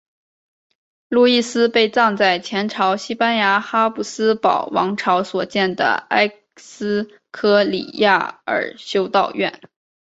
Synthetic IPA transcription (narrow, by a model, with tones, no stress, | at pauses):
lu˥˧i˥˩sɹ̩˥pe˥˧ɪt͡sɑ˥˧ŋt͡sa˥˩ɪt͡ɕʰjɛ˧˥nʈ͡ʂʰɑ˧˥ʊɕi˥pa˥nja˧˥xa˥pu˨˥˩sɹ̩˥pɑ˨˩ʊwɑ̰˧˥ŋʈ͡ʂʰɑ˧˥ʊswɔ˨˩t͡ɕjɛ˥˩nd̪ə̰˩a̰˥ɪ | s̩˥ | kʰɤ˥lḭ˨˩ja˥˩ə̰˞˨˩ɕjo˥ʊt̪ɑ˥˧ʊɥɛ̰˥˩n